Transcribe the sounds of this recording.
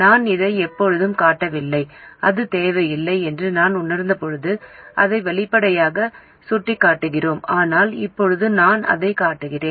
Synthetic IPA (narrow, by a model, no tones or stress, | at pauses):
naːnɪðɐɪɛpːɔɻɯðɯmkaːʈːɐʋɪlːɐɪɐðɯt̪eːʋɐjɪlːɐɪɛndrɯnaːnʊnɐɾnd̪ɐpɔɻɯðɯʔɐðɐɪʋɛɭɪpːɐɽɐjaːɣɐ | sʊʈrɪkːaːʈːɯɣɪroːmaːnaːlɪ̰pːɔɻɯðɯnaːnɐ̰ðɐɪkaːʈːɯɣɪreːn